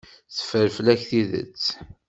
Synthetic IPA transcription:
θə̥fəɾfəlæçθiðə̰t͡sː

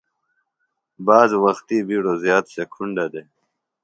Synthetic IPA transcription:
baːzwɐxt̪ibiɽozjaːt̪ɕekʰuɳɖad̪e

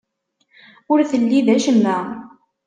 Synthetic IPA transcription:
ʊɾθəlːiðæʃəmːæ

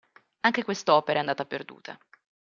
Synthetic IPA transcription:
aŋk̟ekwest̪ɔːpeɾaɛand̪aːt̪aperd̪ṵːt̪ʰa̰

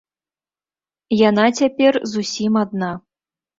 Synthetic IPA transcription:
jan̪at͡sʲapʲɛrzusʲimad̪̚na

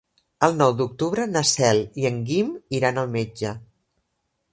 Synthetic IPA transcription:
əlˠnɔwd̪uk̚t̪uβɾənəsɛlˠiəŋɡimiɾanəlˠmed͡ʒə

